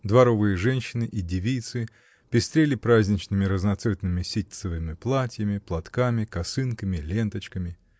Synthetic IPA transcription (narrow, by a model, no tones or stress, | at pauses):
d̪vɐɾovɨjəʐɛnʲɕːɪnɨʔidʲɪvʲijt̪sɨ | pʲɪst̪ɾʲelʲɪpɾazʲnʲɪt͡ɕnɨmʲɪɾəznɐt̪sɛt̪nɨmʲɪsʲit̪̚ʲsɨvɨmʲɪplˠatʲjəmʲɪplˠɐt̪kamʲɪkɐsɨnkəmʲɪlʲe̞nt̪ət͡ɕkəmʲɪ